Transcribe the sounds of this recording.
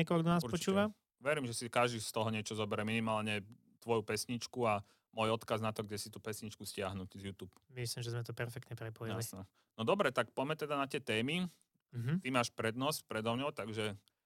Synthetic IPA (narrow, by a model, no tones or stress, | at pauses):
ɛkɔlkd̪ɔnaːsuɾpɔt͡ʃuːʋa | ʋɛɾimʒɛsikaʒd̪ist̪ɔɦɔɲɪɛt͡ʃɔzɔbɛɾɛminimaːlɲɛ | t̪ʋɔjupɛsɲit͡ʃkua | mɔjɔt̪kaznat̪ɔɡɟɛsit̪uːpɛsɲit͡ʃkuscɪaɦnuɟzjuːt̪uːpmislimʒɛzmɛt̪ɔpɛɾfɛk̚t̪ɲɛpɾɛpɔjijlsnɛ | nɔd̪ɔbɾɛt̪ak̚pɔjmɛt̪ɛd̪anat̪ɪɛt̪ɛːmi | ɦt̪imaːʃpɾɛd̪nɔspɾɛd̪ɔmɲɔʊt̪aɡʒɛ